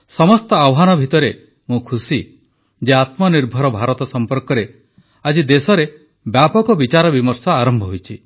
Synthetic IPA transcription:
sɔmɔst̪ɔawɔɦanɔbʱit̪ɔɾe | mũkʰusi | d͡ʒeat̪mɔniɾbʱɔɾɔbʱaɾɔt̪ɔsɔmpɔɾkɔɾe | ad͡ʒid̪esɔɾe | bjapɔkɔbit͡ʃaɾɔbimɔɾsɔaɾɔmbʱɔɦojt͡ʃʰi

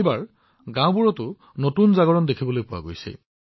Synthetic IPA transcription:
baɹ | ɡãw̃buɹɔtʊ | notunzaɡɔɹɔndekʰibɔlojpʊwa̰ɡojsɛ̰

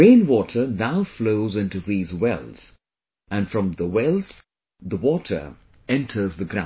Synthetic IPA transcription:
ẽɪ̃nwɔtʰə˞naʊfloʊzɪ̃ntuðiːzwɛ̰lˠz̥ | ʔɨ̃nfɹʌ̃mðəwɛlˠz̥ | ðəwɔtʰə̰˞ | ɛ̃ntʰə˞zðəɡɾã̰

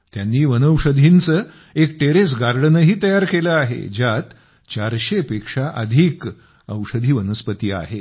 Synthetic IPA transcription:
t̪janːiːʋənəwʂəd̪ʱint͡səː | ek̚ʈeɾes̬ɡaɾɽənəɦiːt̪əjaɾkeləaɦḛd͡ʑat̪ | t͡ɕaɾɕepekʂaʔəd̪ʱiːk | ə̰wʂəd̪ʱiːʋənəspət̪iːa̰ɦe

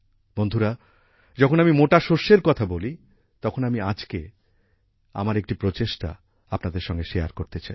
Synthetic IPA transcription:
b̥ond̪ʱuɾa | d͡ʑɔkʰonamimoʈaʃoʃːeɾkɔt̪ʰaboli | t̪ɔkʰonamiad͡ʑke | a̰maɾek̚ʈipɾot͡ɕeʃʈa̰ | apnad̪eɾʃɔŋɡeʃeaɾkoɾt̪et͡ɕaj

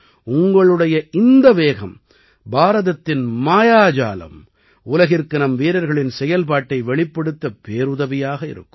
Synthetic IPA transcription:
ʊŋɡɐɭɯɽɐjɐʔɪnd̪ɐʋeːɣɐm | baːɾɐðɐt̪ːɪnmaːjaːd͡ʒa̰ːlɐ̰m | ʊlɐɣɪɾkɯnɐmʋiːɾɐɾɣɐɭɪnsɛjɐlpaːʈːɐɪʋɛɭɪpːɐɽɯt̪ːɐpeːɾʊðɐʋɪjaːɣɐɪ̰ɾɯ̰kːɯ̥

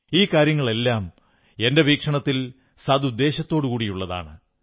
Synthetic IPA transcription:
iːkaːɾjɐŋːɐɭe̞lːaːm | e̞nde̞ʋiːkʂɐɳɐt̪ːil | sɐd̪ud̪ːe̞ːɕɐt̪ːo̞ːɽɨkuːɽijuɭːɐða̰ːɳɨ

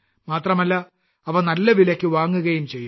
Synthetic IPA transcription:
maːt̪rɐmɐlːɐ | ɐʋɐnɐlːɐʋilɐkʲːɨʋaːŋːuɣɐjumt͡ɕe̞jːu

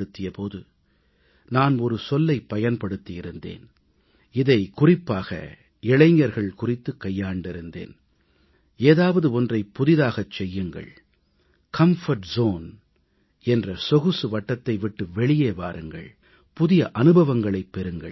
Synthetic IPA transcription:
ɽɯt̪ːɪjɐpoːðɯ | naːnɔɾɯsɔlːɐɪpːɐjɐnpɐɽɯt̪ːɪjɪɾɯnd̪ḛːn | ɪðɐɪkʊrɪpːaːɣɐ̰ | ɪɭɐɪɲːɐɾɣɐɭkʊrɪt̪ːɯkːɐjːaːɳɖɪɾɯnd̪ḛːn | eːðaːʋɐðɯɔndrɐɪpːʊðɪðaːɣɐt͡ʃːɛjːɯŋɡɐ̰ɭ | kʰɐmfɐɾʈzoːn | ɛndrɐsɔɣɯsɯʋɐʈːɐt̪ːɐɪʋɪʈːɯʋɛɭɪjeːʋaːɾɯŋɡɐ̰ɭ | pʊðɪjɐʔɐnɯbɐʋɐŋɡɐɭɐɪpːɛɾɯŋɡɐ̰ɭ

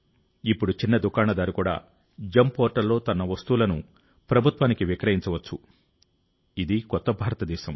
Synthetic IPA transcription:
ipːuɽut͡ʃinːɐd̪ukaːɳɐd̪aːɾukuːɽa̰ː | d͡ʒɐmpoːɾʈɐlːo̞ːt̪ɐnɐʋɐst̪uːlɐnu | pɾɐbʱut̪ʋaːnikiʋikɾɐɦjiɲt͡ʃɐʋɐt͡ʃːu | id̪ikɔt̪ːɐbʱaːɾɐt̪ɐd̪ɛːʃɐm

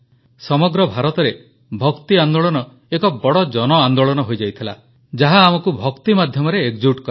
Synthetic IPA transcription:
sɔmɔɡɾɔbʱaɾɔt̪ɔɾe | bʱɔkt̪iand̪oɭɔnɔ | ekɔbɔɽɔd͡ʒɔnɔand̪oɭɔnɔɦojd͡ʒajt̪ʰila̰ | d͡ʒaɦaːmɔkubʱɔkt̪imad̪ʱjɔmɔɾeːkd͡ʒuʈkɔ

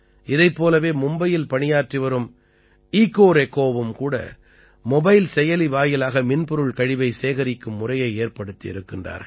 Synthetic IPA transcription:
ʔɪðɐɪpːoːlɐʋeːmʊmbɐjɪlpɐɳɪjaːʈrɪʋɐɾɯm | iːkːoːɾɛkːoːʋɯmkuːɽɐ̰ | mɔbɐɪlsɛjɐliʋaːjɪlaːɣɐmɪnpɔɾɯɭkɐɻɪʋɐɪseːɣɐɾɪkːɯmːʊrɐjɐɪeːrpɐɽɯt̪ːiɪ̰ɾɯkːɪndra̰ːɾ

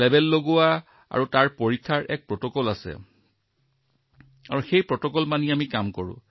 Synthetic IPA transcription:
lɛbɛlːoɡʊwa | a̰ɹutaɹpoɹikʰːaɹʔɛ̰k̚pɹɔtɔkɔlasɛ̰ | a̰ɹuxejpɹɔtɔkɔlmaniamikamkɔɹʊ̰̃

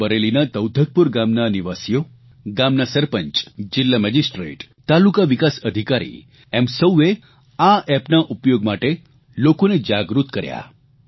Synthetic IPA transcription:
bəɾelinat̪əwd̪ʱək̚puɾɡamnaniʋasijo | ɡamnasəɾpəɲt͡ʃd͡ʒɪlːaməd͡ʒisʈɾḛʈ | t̪alukaʋikasəd̪ʱikaɾḭ | ɛmsəwe | aɛpnaʔupjoɡmaʈe | lokoned͡ʒaɡɾut̪kəɾja̰

